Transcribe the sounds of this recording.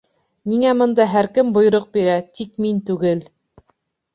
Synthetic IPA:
niŋæmɤ̆nd̪ɑɦæɾkɘmbŏj̆ɾɤq̚biɾæt̪ikmint̪ʉɡɘl

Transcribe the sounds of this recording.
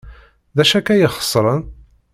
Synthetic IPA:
ðæʃækæjəχə̥sˤːɾˤən

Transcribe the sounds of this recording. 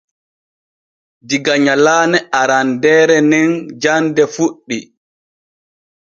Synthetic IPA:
diɡaɲalaːnɛaɾandɛːɾɛnɛnd͡ʒandɛfuɗːi

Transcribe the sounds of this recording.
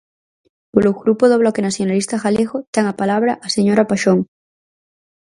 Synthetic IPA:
poloɣɾupoðoβ̞lɔkenasθjonalist̪axaleɣot̪eŋapalaβ̞ɾaʔaseɲoɾapaʃoŋ

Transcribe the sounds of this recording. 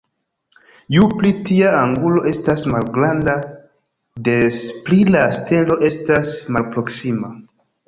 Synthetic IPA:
juplitiaaŋɡulo̞ʔe̞stasmalɡɾanda | de̞splilaste̞lo̞ʔe̞stasmalpɾo̞ksima

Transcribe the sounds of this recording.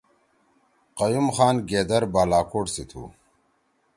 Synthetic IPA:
qɐjumxaːnɡeːd̪ɐɾbaːlaːkoːʈsit̪ʰṵː

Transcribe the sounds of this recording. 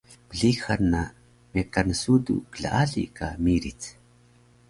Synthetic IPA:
b̥əɮixanːa | mekanəsudṵkəɮa̰ʔaɮḭkʰa̰miɾit͡s

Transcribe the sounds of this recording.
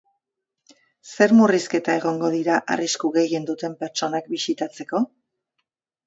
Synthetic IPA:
se̞ɾmuriske̞t̪ae̞ɣo̞ŋɡo̞ðiɾaʔa̰riskuɣe̞je̞nd̪ut̪e̞mpe̞ɾt͡ʃo̞nak̚bisit̪at͡se̞ko̞

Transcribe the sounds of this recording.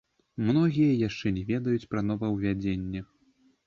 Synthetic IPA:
mnɔɣʲijɐjaʂt͡ʂɛnʲɛvʲɛd̪ɐjut͡sʲpɾɐn̪ɔvɐwvʲad͡zʲenʲːɛ

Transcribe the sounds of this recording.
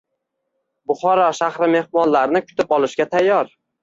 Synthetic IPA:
bʊχɒɾɒʃahɾɪme̞hmɒnlaɾnɪkʰʊ̥t̪ɪpɒlˠɪʃɡʲat̪ʰajːɒɾ

